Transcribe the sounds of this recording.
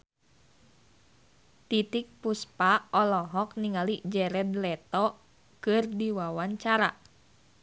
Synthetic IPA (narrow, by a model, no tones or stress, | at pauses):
t̪it̪ik̚puspaɔlɔɦɔk̚niŋalid͡ʒɛɾɛd̪lɛt̪ɔ | kɨrdiwawaɲt͡ʃaɾa̰